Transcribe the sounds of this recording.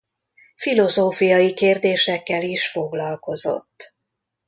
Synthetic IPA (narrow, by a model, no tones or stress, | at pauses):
filo̞zoːfijɒjikeːrd̪eːʃɛkːɛliʃfo̞ɡlɒlko̞zo̞̰t̪ː